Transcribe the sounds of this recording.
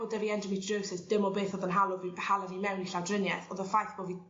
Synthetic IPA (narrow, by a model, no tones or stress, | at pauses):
ɔdɛviɛndəmirəwsɪsd̥ɪmɔbeːθɔðənɦalˠʊhalˠavimɛwniɬawdrɪnjɛθɔðəfajθb̥oːvi